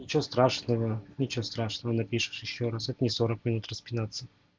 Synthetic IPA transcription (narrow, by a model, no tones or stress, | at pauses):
nʲɪt͡ɕɪvost̪ɾaʂnəvənʲɪt͡ɕɪvost̪ɾaʂnəvənɐpʲiʂɨ̥ʂjɪɕːoɾasɛt̪ənʲɪsoɾəkmʲɪnut̪rəspʲɪnat̪sːə